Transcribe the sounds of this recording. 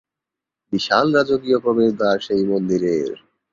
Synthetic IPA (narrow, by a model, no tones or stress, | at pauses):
biʃalɾad͡ʑoɡijokobeɾd̪aɾʃejmond̪iɾeɾ